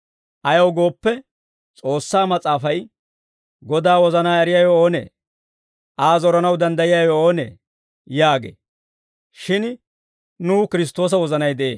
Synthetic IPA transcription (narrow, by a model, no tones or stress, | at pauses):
ʔɐjɐwɡo̞ːpːɛ | t͡sʼo̞ːsːaːmɐt͡sʼaːfɐj | ɡɔd̪aːwɔzɐnaːɛɾɪjaːjooːnḛː | ʔaːzɔɾɐnɐwd̪ɐnd̪ɐjɪjaːjooːnḛː | jaːɡḛː | ʃɪn | nuːkɪɾɪs̬t̪o̞ːs̬ɐwɔzɐnɐjd̪ɛʔeː